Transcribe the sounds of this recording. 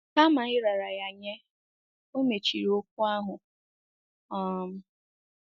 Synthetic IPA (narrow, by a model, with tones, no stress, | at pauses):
ka˦ma˨ɪ˦ɾa˨ɾa˨ja˨ɲe˦ | o˦me˨t͡ʃḭ˨ɾi˦o˦k̚ʷu˦a˦ɦʊ˨ | ɔ˦˨m̩˦